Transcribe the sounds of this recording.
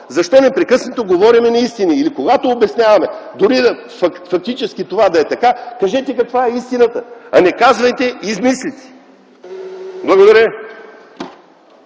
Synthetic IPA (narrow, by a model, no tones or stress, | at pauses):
zɐʃt̪ɔnɛpɾɛkɤsnɐt̪oɡovɔɾimɛnɐist̪iniilikoɡat̪oːbɛsnʲjavɐmɛd̪ʊɾid̪ɐ | fɐfɐk̚t̪it͡ʃɛsk̟it̪ovad̪ɐɛt̪ɐkakɐʒɛt̪ɛkɐkvaɛist̪inət̪əɐnɛkazvɐjt̪ɛizmislit̪ɛ̥ | blˠɐɡod̪ɐɾʲjə